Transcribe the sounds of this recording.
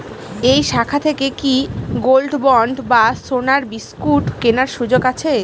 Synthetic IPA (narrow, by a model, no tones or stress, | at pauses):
ejʃakʰat̪ʰekekiɡolɖbɔɳɖbasonaɾbiskuʈkenaɾʃud͡ʑoɡat͡ɕʰe